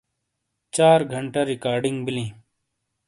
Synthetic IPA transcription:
t͡ʃaːɾɡʱəɳʈaɾikaːɾɖiŋɡbilĩː

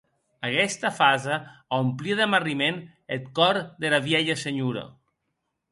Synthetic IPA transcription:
akɛst̪afazaampliðemarimen | et̪kɔɾðelaβjɛʎaseɲuɾɐ̰

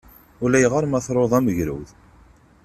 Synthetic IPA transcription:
ʊlæjʁəɾˤmæθɾˤoðˤæməʝɾṵwð

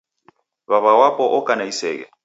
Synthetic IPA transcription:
βaβawapʼɔʔʊkʼanaisɛːkʼɛ

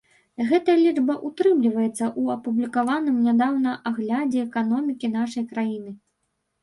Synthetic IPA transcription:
ɣɛt̪ɐjɐlʲid͡ʐbɐʔut̪ɾɨmlʲivɐjɛt̪sːɐʔuɐpublʲikavanɨmnʲad̪awn̪ɐʔaɣlʲad͡zʲɛːkanɔmʲikʲin̪aʂɐjkɾajinɨ

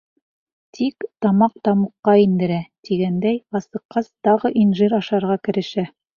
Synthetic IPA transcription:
t̪ʰikt̪ɑmɑq̚t̪ɑmuqːɑind̪ɘ̆ɾæt̪iɡænd̪æjɑsɤ̆qːɑzt̪ɑʁɤʔinʒiɾɑʃɑɾʁɑkɘ̆ɾɘ̆ʃæ

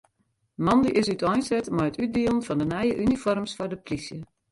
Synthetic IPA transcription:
əmɑndiʔɪsytʰɔjnsɛtmɔjətyt̚diəlˠənfɔndənɛjəʔynifɔrmsfɔrdəprisjə

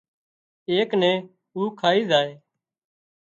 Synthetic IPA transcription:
eːknɛ̃ː | uːkʰaːiːzaːeː

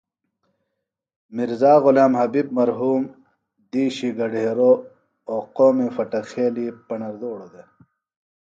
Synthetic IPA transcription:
miɾzaːɣulaːmhɐbib̚mɐɾɦuːm | d̪iːɕiɡɐɖeːɾo | oːqoːmefɐʈɐxeːlipɐɳɐɾd̪oːɽod̪e

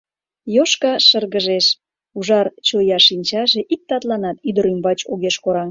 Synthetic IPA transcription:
joʃkɑʃərɣəʒeʃ | uʒɑrt͡ɕojɑʃinʲt͡ɕɑʒeʔik̚t̪ɑt̪lɑnɑt̪yd̪əɾymbɑt͡ɕoɣeʃkoɾɑŋ

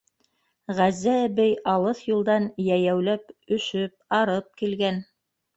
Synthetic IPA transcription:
ʁæzːæbɘjɑlˠɤθjulˠd̪ɑnjæjæwlæpɵ̆ʃɵp̚ɑɾɤp̚kilɡæn

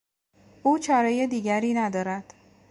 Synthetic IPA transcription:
uːt͡ʃʰɒːɾɒːjed̪iːɟæɾiːnæd̪ɒːɾæd̪̥

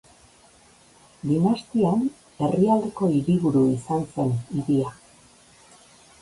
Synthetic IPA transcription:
d̪inast̪ian | e̞riald̪e̞ko̞iɾiβuɾuisanse̞niðia

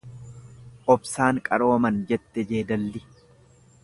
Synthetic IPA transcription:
ʔɔbsaːŋkʼɐɾoːmɐnd͡ʒɛt̪ːɛd͡ʒe̞ːd̪ɐlːɪ

